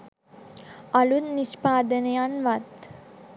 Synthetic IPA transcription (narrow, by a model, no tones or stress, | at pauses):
ɐlunniʂpaːd̪ɐnɐjaːnʋat̪